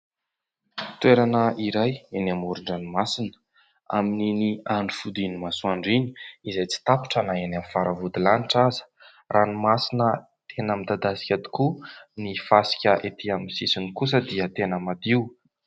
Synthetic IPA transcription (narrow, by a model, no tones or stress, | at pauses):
t̪weɾanəʔiɾajenamuɾuɳɖ͡ʐanimasinə̥ | a̰mininiaɳɖ͡ʐufud̪inimasuaɳɖ͡ʐini̥izajt͡si̥t̪api̥ʈ͡ʂanaenamifaɾavud̪ilaniʈ͡ʂazə̥ | rʔanimasinə | t̪ʰenəmid̪ad̪asi̥kʲad̪i̥kunifasi̥kʲəʔet̪ʰiamisisinikus̬əd̪iət̪enəmad̪iw